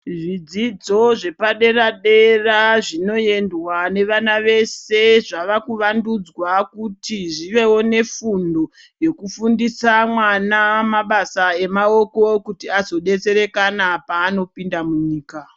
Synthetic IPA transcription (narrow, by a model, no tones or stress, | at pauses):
ʐid͡zid͡zo̞ʐe̞paɗe̞raɗe̞raʐino̞je̞ndwane̞ʋanaʋe̞se̞ʐaʋakuʋandud͡zwakutiʐiʋe̞wo̞ne̞fundo̞ | je̞kufundisamwanamaɓasae̞mao̞ko̞kutiazo̞ɗe̞t͡se̞ɾe̞kanapaːno̞pindamuɲiːka